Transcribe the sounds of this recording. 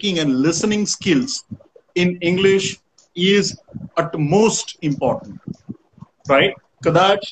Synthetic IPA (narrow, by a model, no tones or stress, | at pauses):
kɪ̃ŋɛ̃nlɪsənɪ̃ŋɡskɪlz | ɪ̃nɪ̃ŋɡlɪʃ | ɪzəʈmoːsʈɪ̃mpɔːɾʈə̃ɳʈ | ɾaɪʈ̚ | kəd̪aːt͡ʃ